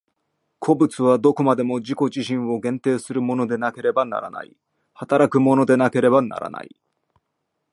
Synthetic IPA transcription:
kʰo̞bɯ̟t͡sɨβad̪o̞ko̞mad̪e̞mo̞ʑiko̞ʑiɕĩɰ̃wo̞ɡẽ̞nt̪e̞ːsɨɾɯ̟mo̞no̞d̪e̞nake̞ɾe̞bana̰ɾa̰na̰ḭ | hat̪aɾakɯ̟mo̞no̞d̪e̞nake̞ɾe̞bana̰ɾa̰na̰ḭ

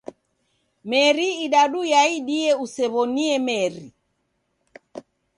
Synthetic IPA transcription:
mɛɾiːɗaɗujaiɗiɛusɛβɔniɛmɛɾi

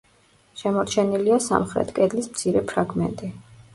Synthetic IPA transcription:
ʃɛmɔɾt͡ʃʰɛniliasa̰mχɾɛ̰t̪ʰkʼɛd̪lismt̪sʰiɾɛpʰɾaɡmɛ̰nt̪ʼi

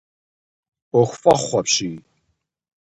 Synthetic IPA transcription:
ɔxʷfaχːapʃi

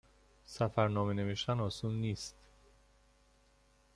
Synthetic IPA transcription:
sæfæɾnɒːmene̞veʃt̪ænɒːsuːlniːst̪

